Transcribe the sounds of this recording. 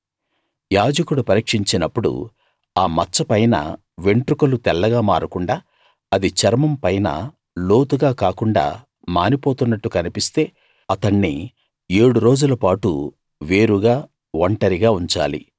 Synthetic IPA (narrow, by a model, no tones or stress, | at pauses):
jaːd͡ʒɐkuɽupɐɾiːkʂiɲt͡ʃinɐpːuɽṵ | aːmɐt͡ʃːɐpɐjnɐ̰ | ʋe̞ɳʈɾukɐlut̪ɛlːɐɡaːmaːɾukuɳɖaː | ɐd̪it͡ʃɐɾmɐmpɐjnɐ̰ | lo̞ːt̪uɡaːkaːkuɳɖa̰ː | maːnipo̞ːt̪unːɐʈːukɐnipist̪e̞ː | ɐt̪ɐɳːi | eːɽuɾo̞ːd͡ʒulɐpaːʈṵ | ʋe̞ːɾuɡaː | ʋɐɳʈɐɾiɡaːuɲt͡ʃa̰ːlḭ